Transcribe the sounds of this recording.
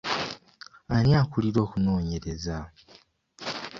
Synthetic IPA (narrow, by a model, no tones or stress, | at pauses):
anjaːkuliɾo̞ːkuno̞ːɲe̞ɾe̞za